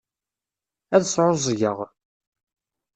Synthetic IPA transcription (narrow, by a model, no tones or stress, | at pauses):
æðsʕʊzˤʝəʁ